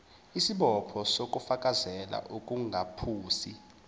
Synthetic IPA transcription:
isiɓɔpʰɔsok̬ʼufakʼazɛla̰ʔukʼuŋɡʱapʰuːsi

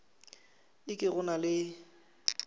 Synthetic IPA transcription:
ɪkʼɪɣʊnalɪ

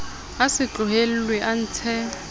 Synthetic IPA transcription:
asɪt͡ɬʊɦel̩lwɛʔan̩ːt͡sʰɛ

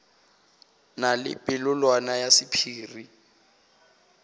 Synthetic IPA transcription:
nalɪ̰pʼɪlʊlwanajasɪpʰiːri

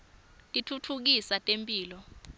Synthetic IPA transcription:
tʼitʰutʰuk̬isatʼempʼiːlɔ

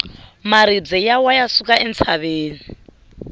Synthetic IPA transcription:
maɾid͡zɛjawajasukʼaʔɛnt͡sʰaβeːni

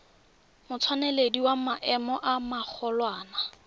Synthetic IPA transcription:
mʊt͡sʰwanɛlediwamaʔɛmɔʔamak͡xʰɔlwaːna

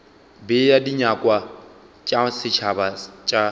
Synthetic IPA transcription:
bɪjadiɲakʼwa | t͡ʃʼasɪt͡ʃʰabat͡ʃʼa

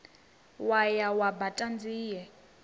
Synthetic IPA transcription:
wajawabatʼand͡ziːjɛ

